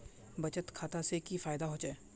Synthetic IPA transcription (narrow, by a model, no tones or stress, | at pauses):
bɐt͡ʃət̪kʰaːt̪asekifaːɪd̪aɦoːd͡ʒaɛː